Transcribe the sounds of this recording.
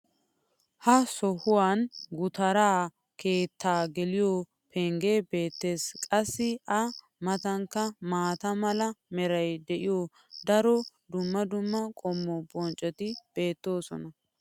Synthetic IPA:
hɐsɔhʊwaːnɡʊt̪ɐɾaː | ke̞ːt̪ːaːɡɛlɪjɔ | pʰɛŋɡe̞ːbe̞ːt̪ːe̞ːskʼɐsːɪɐ | mɐt̪ɐŋkːɐmaːt̪ɐmɐlɐmɛɾɐjd̪ɛʔɪjɔ | d̪ɐɾɔd̪ʊmːɐd̪ʊmːɐkʼɔmːɔbɔnt͡ʃʼːɛt̪ɪb̥e̞ːt̪ːo̞ːsɔ̰nɐ

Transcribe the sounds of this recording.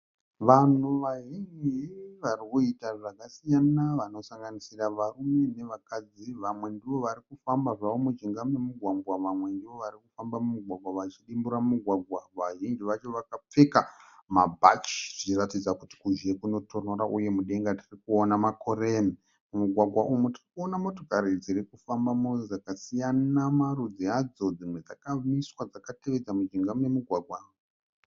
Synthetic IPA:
ʋan̤uʋaʒind͡ʒiʋarikuitaʐakasijanaʋano̞saŋɡanisiraʋarume̞ne̞ʋakad͡ziʋamwe̞ndiʋo̞ʋaɾikufambaʐaʋomud͡ʒiŋɡamemuɡʱwaɡʱwaʋamwe̞ndiʋo̞ʋaɾikufambamumuɡʱwaɡ̚ʱwaʋat͡ʃiɗimbuɾamuɡʱwaɡʱwaʋaʒind͡ʒiʋat͡ʃo̞ʋakap͡fe̞kamabʱa̰t͡ʃi̥ʐ̥it͡ʃiratid͡zakuti̥kuʒe̞kuno̞tʰo̞noɾaʔuje̞muɗe̞ŋɡatʰirikuonamako̞ɾemi | mumuɡʱwaɡʱwaʔumutirikuo̞namo̞to̞kaɾid͡ziɾikufambamuzakasijanamarud͡ziad͡zo̞d͡zimwe̞d͡zakamiswad͡zakate̞ʋed͡zamud͡ʒiŋɡamemuɡʱwaɡʱwaːmu

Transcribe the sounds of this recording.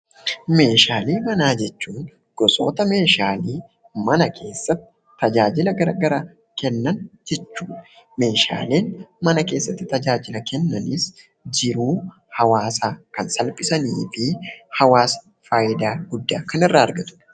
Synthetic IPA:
me̞ːʃaːleːkɐnaːd͡ʒɛt͡ʃːuːn | ɡ̥ɔsʼo̞̰ːt̪ɐme̞ːʃaːliː | mɐnɐkʰe̞ːsːɐt̪ːɪ̥ | t̪ːɐd͡ʒaːd͡ʒɪlɐɡɐɾa̰ːɡɐɾaː | kɛnːɐnd͡ʒɛt͡ʃːuːᶑɐ | me̞ːʃa̰ːle̞ːnmɐnɐke̞ːsːɐt̪ːɪt̪ɐd͡ʒaːd͡ʒɪlɐkʰɛnːɐnɪs | d͡ʒɪɾuː | hɐwaːsaːkɐnsɐlpʼɪsɐniːfɪhɐwaːs | faːjɪd̪aːɡʊd̪ːaːkɐnɪrːaːɐɾɡɐt̪ʊ̥

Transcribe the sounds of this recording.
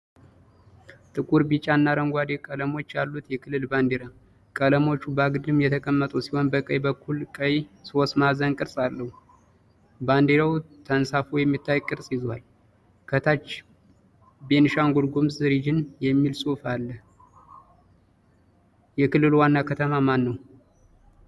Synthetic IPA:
t̪ʼɨkʼuɾbit͡ʃʼanːaɾəŋɡʷwad̪ekʼələmo̞t͡ʃːjalːut̪jɛkʰɨlːɨlband̪eɾa | kʼələmo̞t͡ʃːubaɡɨd̪ɨmjɛt̪ʰəkʼəmːət̪ʼuwsiho̞nbəkʼəjbəkːulkʼəjsosmazənkʼɨɾsʼalːəhu | band̪eɾaw | t̪ʰənsafujɛmːit̪ʰːajkʼɨɾsʼjizwal | kʰət̪ʰat͡ʃː | be̞nʃaŋɡuɾɡumzɨɾid͡ʒɪnjɛmːilsʼofalːə | jɛkɨlːɨlwanːakʰət̪ʰəmamanːəw

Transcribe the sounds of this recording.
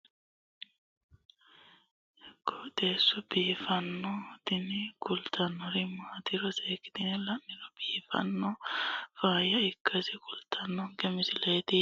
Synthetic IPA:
kːɔd̪eːsːɔbiːfɐnːɔt̪ɪnɪkʊlt̪ɐnːɔɾɪmaːt̪ɪɾɔseːkɪ̥t̪ɪnɛlɐnːɪɾɔb̥iːfɐ̰nːɔfaːjɐɪkʰːɐsɪkʊlt̪ʰɐnːɔŋkɛmɪsɪleːt̪ɪ

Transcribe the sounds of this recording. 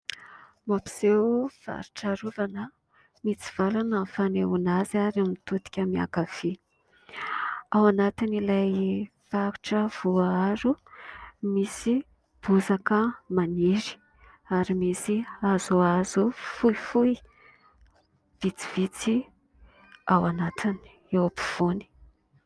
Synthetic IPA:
mapi̥z̥ewv̥a̰ɾu̥ʈ͡ʂaɾuvanə | mit͡si̥v̥alanəfaneunazaɾamit̪ut̪i̥kʲamia̰kafi | awanat̪inilaj | faɾu̥ʈ͡ʂəv̥uaaɾu | misi | b̥uzakəmaniɾi̥ | aɾimisiazuazufuifui | v̥it͡si̥v̥it͡si | awanat̪ʰini̥ | ewapi̥v̥uni̥

